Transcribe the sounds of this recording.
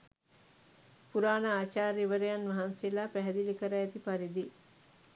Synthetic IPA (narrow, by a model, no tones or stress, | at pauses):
puɾaːnəaːt͡ʃaːɾiʋəɾejanʋɐɦanselaːpæɦɛd̪ilikəɾaːt̪ipaɾid̪i